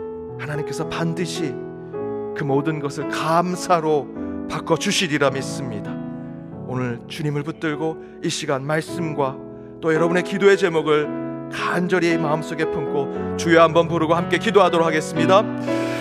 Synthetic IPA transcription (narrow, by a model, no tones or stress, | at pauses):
hanaɲimk͈e̞sʰʌpandɯɕʰi | kɯmodɯnɡʌsʰɯɭkamsʰaɾopak͈ʌd͡ʑuɕʰiɾiɾamis͈ɯmɲida | onɯɭt͡ɕuɲimɯɭput͈ɯɭɡo | iɕʰiɡanmaɭs͈ɯmɡwa | t͈ojʌɾʌbɯne̞kidoe̞t͡ɕe̞muɡɯɭkand͡ʑʌɾiemaɯms͈oɡe̞pʰɯmkʰot͡ɕujeɦambʌnpuɾɯɡohamk͈e̞kidoɦadoɾokʰaɡe̞s͈ɯmɲida